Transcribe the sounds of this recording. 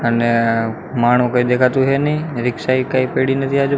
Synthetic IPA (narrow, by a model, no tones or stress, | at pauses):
ən | maːɳ̤̃ũkəid̪eːkʰat̪uɦenĩɾɪkʃaːikaipeɽinət̪ʰiaːd͡ʒu